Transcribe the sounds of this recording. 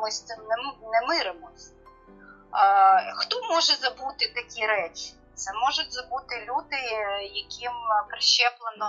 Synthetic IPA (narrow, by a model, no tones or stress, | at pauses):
mɔsʲt̪ɪmnɛnɛmɪɾɪmɔsʲ | xt̪ɔmɔʒɛzɐbut̪ɪt̪ɐkʲiɾɛt͡ʃʲ | t̪sɛmɔʒʊtʲzɐbut̪ɪlʲud̪ɪjɐkʲimpɾɪʃɛplˠenɔ